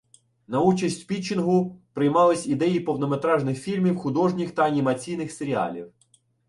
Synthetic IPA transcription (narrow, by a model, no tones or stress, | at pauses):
nɐut͡ʃɐsʲtʲpʲit͡ʃɪnɦʊpɾɪjmɑlˠɪsʲid̪ɛjipɔwnɔmet̪ɾɑʒnɪxfʲilʲmʲiwxʊd̪ɔʒnʲixt̪ɐɐnʲimɐt͡sʲijnɪxseɾʲiɑ̰lʲḭw